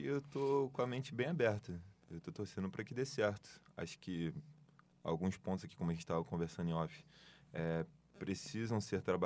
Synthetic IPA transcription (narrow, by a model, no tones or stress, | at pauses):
ɪewt̪okõɐmẽt͡ʃɪbẽj̃abɛɾt̪ɐewt̪ot̪ohsẽnʊpɾɐkɪd̪esɛɾt̪ʊ̥a̰ʃʊ̥kɪ | a̰wɡũspõt̪ʊzakikõmɐʒẽt͡ʃɪ̥t̪avɐkõveɾsɐ̃nd̪ẽɔfɪ̥ɛpɾesizɐ̃w̃seɾt̪ɾaba